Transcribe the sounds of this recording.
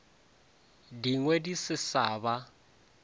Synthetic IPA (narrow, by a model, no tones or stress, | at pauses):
diŋwɛdisɪsaːβa